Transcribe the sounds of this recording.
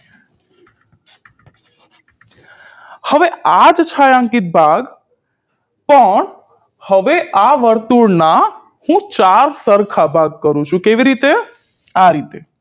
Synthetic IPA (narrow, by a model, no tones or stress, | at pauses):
həʋead͡ʒt͡ʃʰajãŋkit̪̚bʱaɡ | pəɳ | həʋeʔaʋəɾt̪uɽna | hũt͡ʃaɾsəɾkʰabʱaɡ̚kəɾũt͡ʃʰũkeʋiɾit̪e | aɾit̪e